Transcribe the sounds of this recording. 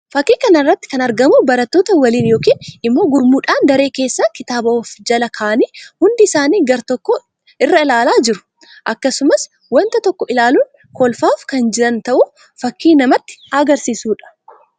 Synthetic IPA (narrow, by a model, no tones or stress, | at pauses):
fɐkːiːkɐnɐrːɐt̪ːɪ̥kɐnɐɾɡɐmubɐɾɐt̪ːo̞ːt̪ɐwɐliːnjo̞ːkiːnʔɪmːo̞ːɡʊɾmuːᶑaːnd̪ɐɾe̞ːke̞ːsːakɪt̪aːbɐɔfd͡ʒɐlɐkʰaːniːhʊnd̪ɪɪsaːniːɡɐɾt̪ɔkːo | ɪrːɐɪlaːlaːd͡ʒɪɾʊ̥ | ʔɐkːɐsʊmɐs | wɐnt̪ɐt̪ɔkːɔɪlaːlun | kɔlfaːfkɐnd͡ʒɪɾɐnt̪ɐʔu | fɐkːiːnɐmɐt̪ːɪ̥ɐɡɐɾsiːsuːᶑɐ̥